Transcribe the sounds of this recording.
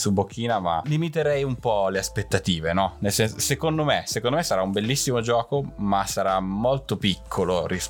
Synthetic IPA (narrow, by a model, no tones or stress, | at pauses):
subok̟ːiːnama̰limit̪eɾɛjumpɔleaspet̪ːat̪iːvenɔnelsɛnsosekond̪omesekõnd̪omesːaɾaumbelːisːimod͡ʒɔːkomasaɾamːolt̪opikʰːoloɾis